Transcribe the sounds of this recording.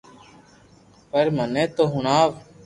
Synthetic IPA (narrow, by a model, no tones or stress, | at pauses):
pəɾmənẽːt̪oːɦʊɳaːʋ